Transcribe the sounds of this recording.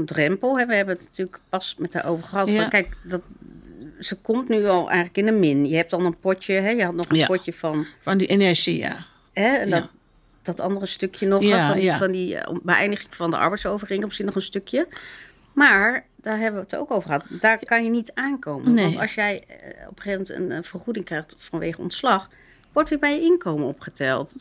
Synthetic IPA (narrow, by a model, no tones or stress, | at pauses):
ndrɛmpəlˠɦɛʋəɦɛbənətnatyːləkpɑsmɛtɦaːɹʔo̰wvəɹχəɦɑtɔkɛjkdɑt | z̥əkɔmtnyɑlˠʔɛ̰jχələkɪnəmɪnjəɦɛp̚dɑnənpɔtəɦɛjəɦɑtnɔχənpɔcəvɑnndienɛɹʒia̰ | ɦɛɛndt | d̥ɑtɑ̰ndərəstɵkjənɔχnifɑndḭbəʔɛ̰jndəχɪŋvɑndəʔɑ̰ɹbɛjtsowvərɪŋmsinɔχənstɵkʰjə | maːɹd̥aːɹɦɛbəʋəəto̰wkowvəɹχəɦɑtdaːɹkɑnjənitaːnkowmənɑtɑ̰lˠsjɛjɔ̰pə̥χejfmɛntə̰nə̰v̥ərχudɪŋkrɛjχtfɑnʋejχəɔ̰ntslɑχ | ʋɔɹtʋɪːɹbɛjəɪnkowmənɔpχətɛlˠt